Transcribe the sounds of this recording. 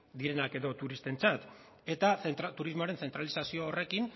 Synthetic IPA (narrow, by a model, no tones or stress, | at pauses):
d̪iɾe̞nake̞ðo̞t̪uɾist̪e̞nt͡sat̪ | e̞t̪aθent̪ɾat̪uɾizmoaɾe̞nθe̞nt̪ɾalisasioːre̞kin